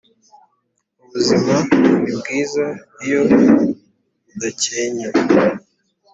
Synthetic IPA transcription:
uβuzimauβibɡiːzaijo̞ | daceɲo

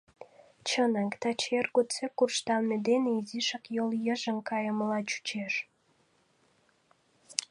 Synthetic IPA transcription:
t͡ɕənɑkt̪ɑt͡ɕerɣott͡sekurʃt̪ɑlmed̪eneiziʃɑkjoljəʒə̆mkɑjəməlɑt͡ɕu̥t͡ɕeʃ

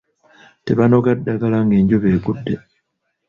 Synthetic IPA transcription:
teβano̞ɡadːaɡalaŋɡeːɲɟoβe̞ːɡudːe̞

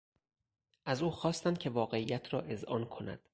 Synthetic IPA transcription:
ʔæzuːxɒːst̪ænd̪̚cʰe̞vɒːɣe̞iːjæt̪ʰɾɒːʔe̞zʔɒːnkʰo̞næ̰d̪̥

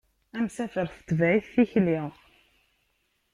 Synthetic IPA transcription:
æmsæfəɾθt̪ːvæʕiθθiçli

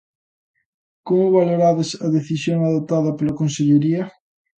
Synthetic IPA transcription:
komʊβaloɾaðɪsɐðeθisjoŋaðot̪aðɐpelɐkonseʎeɾiɐ

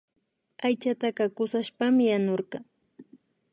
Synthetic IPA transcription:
ajt͡ʃat̪aqɑkʊsaʃpamɪjanoɾɢɑ

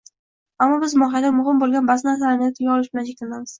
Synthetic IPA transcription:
amːɒbɪzmɒɦjad̪amʊɦɪmbolˠɡʲanbasnasaɾanɪjat̪ʰɪɡʲaɒlɪʃbɪlant͡ʃʰekʲlanamɪz̥

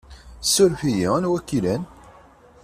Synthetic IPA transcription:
sʊɾfijinwækːilæn

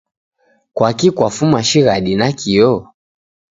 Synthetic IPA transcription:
kwakikwafumaʃiɣaɗinakiɔ

